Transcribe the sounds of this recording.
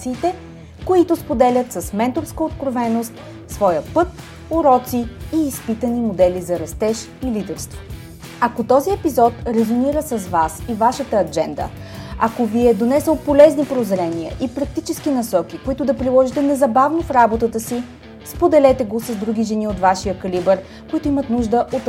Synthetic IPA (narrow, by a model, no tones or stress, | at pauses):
siːt̪ɛ | koit̪ʊspod̪ɛlʲət̪səsmɛnt̪oɾskəot̪kɾovɛnost̪ | svɔjəpɤt̪̚ | oɾɔt̪siːspit̪ənimod̪ɛlizɐɾɐst̪ɛʃ | ilid̪ɛɾst̪vo | ɐkot̪ɔziɛpizɔt̪ɾɛzoniɾəsəzvasivaʃət̪əːd͡ʒɛnd̪ə̰ | ɐkoviɛd̪onɛsəlˠpolɛznipɾozɾɛniə̰ʔipɾɐk̚t̪it͡ʃɛskinɐsɔk̟ikoit̪ʊd̪ɐpɾilˠɔʒit̪ɛnɛzɐbavnofɾabot̪ət̪əsi | spod̪ɛlɛt̪ɛɡosɐzd̪ɾuɡʲiʒɛniot̪vaʃijəkɐlibɛɾ | koit̪ʊimət̪nuʒd̪əʔot̪